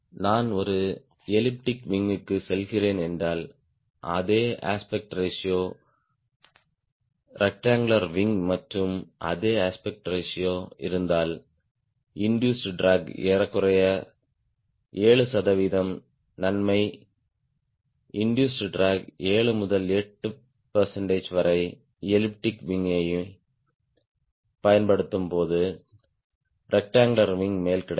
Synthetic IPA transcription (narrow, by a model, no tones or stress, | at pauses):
naːnɔɾɯ | ɛlɪp̚ʈɪkʋɪŋɡɯkːɯsɛlɣɪreːnɛndraːl | ʔɐ̰ðeːʔa̰ːspɛk̚ʈɾesɪjoː | ɾʔɐk̚ʈaːŋɡɭɐɾʋɪŋɡmɐʈrɯmʔɐ̰ðeːaːspɛk̚ʈɾesɪjoːɪɾɯnd̪aːl | ɪɳɖjuːsɖɾaːɡeːɾɐkːɯrɐjɐ | eːɭɯsɐðɐʋiːðɐm | nɐnmɐɪ | ɪɳɖjuːsɖɾaːɡeːɭɯmʊðɐlɛʈːɯ | pɐɾsɛɳɖeːd͡ʒʋɐɾɐɪ | ɛlɪp̚ʈɪkʋɪŋɐjɯ | pɐjɐnpɐɽɯt̪ːɯmpoːðɯ | ɾɛk̚ʈaːŋɡɭɐɾʋɪŋmeːlkɪɽɐ